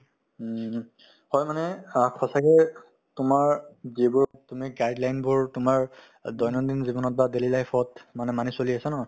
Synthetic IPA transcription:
hɔjmanɛkʰɔsakɛ | tʊmaɹzebʊɹtʊmiɡajdlajnbʊɹtʊmaɹ | dɔjnɔndinzibɔnɔt̚badelilajpʰɔtmanɛmanisoliasanɔ

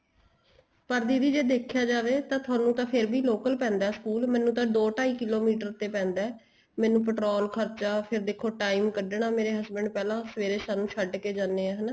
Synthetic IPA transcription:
pəɾd̪iːɾiːd͡ʒeːd̪eːkʰjaːd͡ʒaːʋeːt̪ãːt̪ʰʊaːnũːt̪ãːpʰɪɾbiːloːkəlpɛ̃ːnd̪aːskuːlmɛ̃ːnũːt̪̬ãːd̪oːʈaːiːkɪloːmiːʈəɾt̪eːpɛ̃ːnd̪aɛː | mɛ̃ːnũːp̬əʈɾoːlkʰəɾt͡ʃaːpʰɪɾd̪eːkʰːoːʈaːimkəɖɳaːmeːɾeːɦəzbəɳɖ̚pɛːlãːsəʋeːɾeːsaːnũːʃʰəɖkeːd͡ʒaːneːaːɦənaː

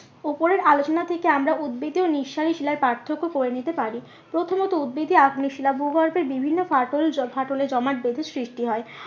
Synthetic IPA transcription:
opoɾeɾʔalot͡ɕonat̪ʰekeamɾaʔud̪̚bed̪ioniʃːaɾiʃilaɾpɾaɾt̪ʰːokːokoɾenit̪epaɾi | pɾot̪ʰomot̪oud̪̚bed̪ʱiaɡʱuniʃilabubʱaɾbeɾbibʱinːofaʈolfaʈoled͡ʑɔmaʈ̚bed̪ʱesɾiʃʈiɦɔe

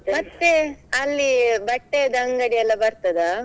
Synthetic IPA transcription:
mɐt̪ːeɐlːibɐʈːed̪ɐŋɡɐɽiɛlːɐbɐɾt̪ɐd̪ɐ

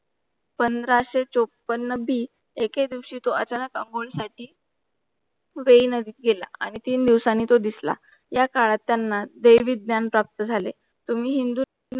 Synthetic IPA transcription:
pənd̪ɾaɕet͡sopənːəbiː | eked̪iʋɕiːt̪oət͡ɕanəkəŋɡoɭsaʈiː | ʋeinəd̪iːt̪̚ɡela̰a̰ɽ̃it̪iːnd̪iʋsanːiːt̪od̪isla̰ | jakaɭat̪ːjanːad̪əjʋiːd̪̚njanpɾap̚t̪əd͡zʱale | t̪um̤iːɦind̪uː

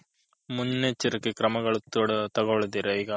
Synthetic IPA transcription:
munːet͡ʃːiɾɐkːikɾɐmɐɡɐɭut̪ːuɽɐt̪ɐɡoɭud̪iɾɐiɡɐ

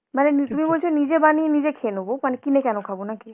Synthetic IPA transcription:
manenit̪umibolt͡ʃʰonid͡ʑebaninid͡ʑekʰenobomanekinekɛnokʰabonaki

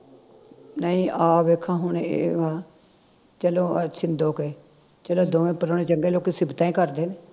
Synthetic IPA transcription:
nəĩːʔaːʋeːkʰãːɦʊɳeḛʋaː | t͡ʃəlõːsɪnd̪oːkeː | t͡ʃəlõːd̪oːʋẽːpəɾoːɽeːt͡ʃəŋɡeːloːkiːsɪbt̪ãːĩːkəɾd̪eːneː

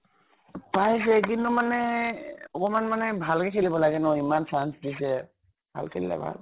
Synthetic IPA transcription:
pajs̬ɛkintʊmanɛ | ɔkɔmanmanɛbʱalkɛkʰelibɔlaɡɛnɔimansʰansdis̬ɛ | bʱa̰lkʰellɛ̰bʱa̰l

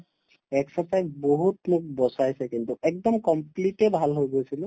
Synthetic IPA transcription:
ɛksɛsajzboɦutmuk̚bɔsajsɛkintuɛk̚dɔmkɔmplitɛbʱalɦojɡojsilʊ̃

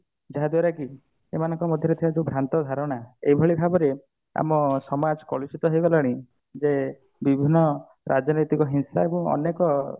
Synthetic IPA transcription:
d͡ʒaɦad̪waɾaki | emanɔŋkɔmɔd̪ʱjɔɾet̪ʰibad͡ʒebʱɾant̪ɔd̪ʱaɾɔɽ̃aeibʱɔɭibʱabɔɾe | a̰mɔsɔmad͡ʒɔkɔɭusit̪ɔɦejbɔlaɽ̃i | d͡ʒe | bibʱinːɔ | ɾʔad͡ʒɔnit̪ikɔɦinsaebɔ̃ɔ̰nekɔ

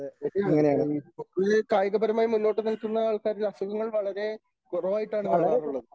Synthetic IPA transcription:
eɾŋːɐnejaːɳokːɨkaːjɐɣɐbɐɾɐmaːjimulːo̞ːʈːɨnilkːunːɐaːɭkaːɾɾɐsuɣɐŋːɐɭʋɐɭɐɾe̞ | kurɐʋaːjiʈːaːɳɨaːrɐɾuɭːɐðɨ

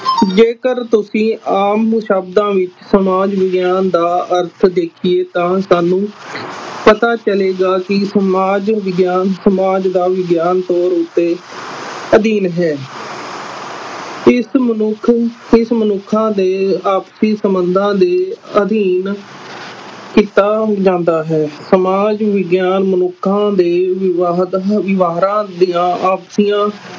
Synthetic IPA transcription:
d͡ʒeːkəɾt̪ʊsĩːʔaːmːʃəbd̪ãːʋɪt͡ʃsəmaːd͡ʒʋɪɡjaːnd̪aːəɾt̪ʰd̪eːkʰieːt̪ãːsaːnːũː | pət̪aːt͡ʃəleːɡaːkɪsəmaːd͡ʒʋɪɡjaːnsəmaːd͡ʒd̪aːʋɪɡjaːnt̪ɔːɾʊt̪ːeː | əd̪iːnɦɛː | ɪsmənʊkʰɪsmənʊkʰːãːd̪eːaːpsiːsəmənd̪ãːd̪eːəd̪iːn | kiːt̪aːd͡ʒãːnd̪aːɦɛːsəmaːd͡ʒʋɪɡjaːnmənʊkʰːãːd̪eːʋɪaʋɪʋaːɾãːd̪ijãːʔaːpsijãː

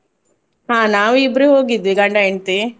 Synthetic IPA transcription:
ɦaːnaːʋuibːɐɾuɦoːɡid̪ːʋiɡɐɳɖaeɳt̪i

